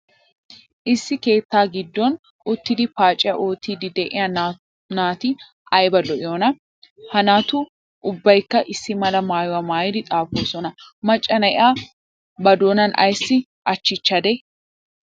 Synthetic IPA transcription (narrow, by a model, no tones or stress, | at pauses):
ʔɪsːɪke̞ːt̪ːaːɡɪd̪ːɔn | ʔʊt̪ːɪd̪ɪfaːt͡ʃʼːɪjɐʔo̞ːt̪ːiːd̪ɪd̪ɛʔɪ̰ja | naːt̪ɪ | ɐjbɐlɔʔɪoːnɐ | hɐnaːt̪ʊ | ʔʊbːɐjkːɐʔɪsːɪmɐlɐmaːjʊwɐmaːjɪd̪ɪt̪ʼaːfoːsɔnɐmɐt͡ʃʼːɐnɐʔɪ̰aː | bɐd̪oːnɐnʔɐ̰jsːɪ | ʔɐt͡ʃːɪt͡ʃːɐd̪ɛ